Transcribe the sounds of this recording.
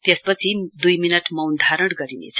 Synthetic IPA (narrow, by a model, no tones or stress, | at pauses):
t̪espʌt͡sʰid̪ujminʌʈmʌwnɖ̪ʱaɾʌɽɡʌɾinḛt͡sʰʌ̥